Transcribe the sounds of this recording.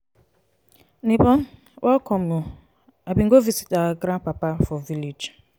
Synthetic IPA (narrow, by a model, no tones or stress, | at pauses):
nibɔ | wʔakɔmu | abiŋ̩ɡovizi̥taɡɾãpapafɔvilid͡ʒ